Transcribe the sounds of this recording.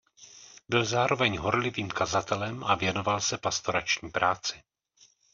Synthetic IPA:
bɪlzaːɾo̞vɛɲɦo̞ɾlɪviːmkazat̪ɛlɛmavjɛno̞valsɛpast̪o̞ɾat͡ʃɲiːpɾʔaːt͡sɪ̥

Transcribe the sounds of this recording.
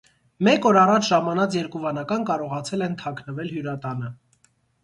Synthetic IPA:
mɛkɔɾɑrɑt͡ʃʰʒɑmɑnɑt͡sjɛɾkuvɑnɑkɑnkɑɾɔʁɑt͡sʰɛlɛnt̪ʰɑkʰnəvɛlɦjuɾɑt̪ɑnə

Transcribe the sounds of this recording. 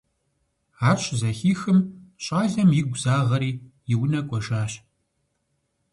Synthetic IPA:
aːɕʰʼzɐxiːxɨmɕʼaːzɐmjɪɡʷzaːʁɐɾiːjɪwnɐkʷʼɔʒaːɕ

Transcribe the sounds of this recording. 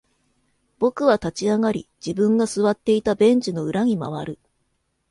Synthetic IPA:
b̥o̞kɯ̟βat̪at͡ɕiaŋaɾʲḭd͡ʑibɯ̟̃ŋɡasɨβat̪ːe̞it̪abẽ̞ɲd͡ʑino̞ɯ̟ɾaɲ̟ima̰β̞aɾɯ̟

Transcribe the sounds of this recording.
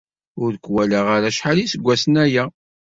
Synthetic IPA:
ʊɾkːwælaʁaɾaʃħalisəɡʷːæsənæjæ

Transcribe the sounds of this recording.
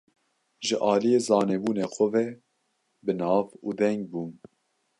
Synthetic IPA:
ʒɨʔɑːlijeːzɑːnebuːneːxʷɔvɛ | bɨnɑːvuːd̪ɛŋɡ̚buːn

